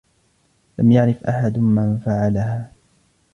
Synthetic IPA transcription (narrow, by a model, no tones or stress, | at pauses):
lamjaʕɾɪfʔaħad̪manfaʕalahaː